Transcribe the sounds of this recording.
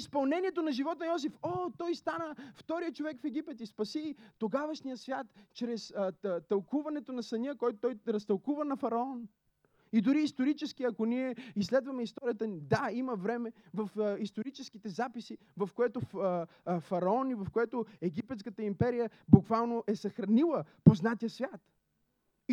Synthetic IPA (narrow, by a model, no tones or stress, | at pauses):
ispɐlˠnɛnʲiɛt̪onɐʒivɔt̪nɐjɔs̬ifot̪ɔjst̪anəft̪ɔɾijət͡ʃovɛkfɛɡʲipɛt̪ispɐsit̪oɡavɐʃnijəsvʲjat̪t͡ʃɾɛst̪ɐlˠkuvɐnɛt̪onɐsɐnʲəkɔjt̪t̪ɔjɾɐst̪ɐlˠkuvənɐfɐɾɐɔn | id̪ʊɾiːst̪oɾit͡ʃɛsk̟iɐkoniɛislɛd̪vɐmɛist̪ɔɾijət̪ənid̪aiməvɾɛmɛvɐfist̪oɾit͡ʃɛskit̪ɛzapisi | vɐfkoɛt̪o | fɐɾɐɔnivɐfkoɛt̪oɛɡipɛt̪skət̪əimpɛɾijə | bukvalˠnoʔɛsɐxɾɐnilˠəpoznat̪ijəsvʲjat̪